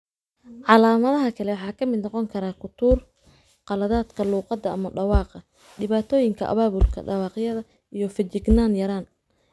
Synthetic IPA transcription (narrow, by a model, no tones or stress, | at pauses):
ʕɑlaːmɐðɐɦɐkʰɐlɛwɑħɑːkʰɐmɪd̪nɔqɔŋkʰɐɾaːkʰʊt̪ʰuːr | qɑlɐðaːd̪kʰɐluːqɑd̪ːɐɐmɐɖɑwɑːqɐ | ɖɪβaːt̪ʰɔːjɪŋkʰɐ̰ʔɐ̰βaːβʊlkʰɐ̰ɖɑwɑːqjɐðɐ | ʔijɞfɐt͡ʃɪɡnaːnjɐɾaːn